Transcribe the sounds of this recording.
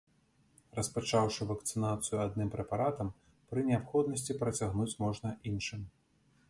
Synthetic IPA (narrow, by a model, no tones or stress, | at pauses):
rɐspat͡ʂawʂɨvɐkt̪sɨnat̪sɨjuad̪̚nɨmpɾɛpaɾat̪ɐm | pɾɨnʲɛapxɔd̪nɐsʲt͡sʲipɾɐt͡sʲaɣnut͡sʲmɔʐnɐinʂɨm